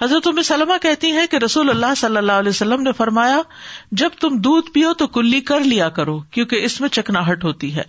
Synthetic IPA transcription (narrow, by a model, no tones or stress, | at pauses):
ɦɐzɾət̪ʊmɪsɐlmakɛɦt̪iɦɛ̃keɾɐsuːlɐlːaɦsɐlːəlːaːɦlɛːosɐlːəmnefɐɾmaːjad͡ʒɐb̚t̪ʊmd̪uːd̪pijot̪okʊlːikɐɾlijakɐɾoːkjõːkeɪsmẽt͡ʃɐknaːɦɐʈɦoːt̪iɦɛ̰ː